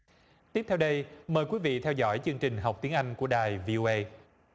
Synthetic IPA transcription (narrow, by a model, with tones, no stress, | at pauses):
t̪i˦˥p̚t̪ʰɛ˧wɗə˧jməː˨˩jkwi˨˦vḭ˧˨t̪ʰɛ˧wzɔ̰˧˥jt͡ɕɨ˧əŋt͡ɕï˨˩ŋ̟ɦa˨˩wk͡p̚t̪i˨˦əŋʔa˧jŋ̟ku˧˩əɗaː˨˩jvi˧ʔo˧ʔə˧j